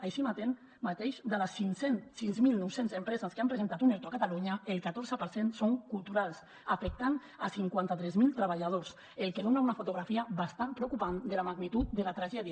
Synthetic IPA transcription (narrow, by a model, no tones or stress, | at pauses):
ajʃimat̪en | mat̪eʃd̪alasiŋsensinzmilˠnɔwsenzempɾɛzaskeampɾezent̪at̪uneɾt̪uakat̪aluɲəelˠkat̪oɾzəpəɾsensoŋkulˠt̪uɾalˠs | afek̚t̪an | asiŋkwant̪at̪ɾɛzmilˠt̪ɾaβaʎað̞os | elˠkeðonaunafut̪uɣ̞ɾafiəβast̪ampɾewkupand̪elamaɣnit̪ut̪̚d̪elat̪ɾaʒɛðia